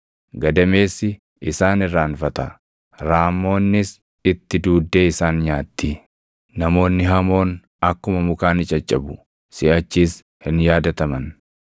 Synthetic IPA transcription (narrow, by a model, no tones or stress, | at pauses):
ɡɐd̪ɐme̞ːsɪ | ɪsaːnɪrːaːnfɐt̪ɐ | ɾaːmːo̞ːnːɪs | ɪt̪ːɪd̪uːd̪ːe̞ːɪsaːnɲaːt̪ːi | nɐmo̞ːnːɪɦɐmo̞ːn | ɐkːʊmɐmʊkaːnɪt͡ʃʼɐt͡ʃʼːɐbʊ | sɪʔɐt͡ʃːiːs | hɪnjaːd̪ɐt̪ɐmɐn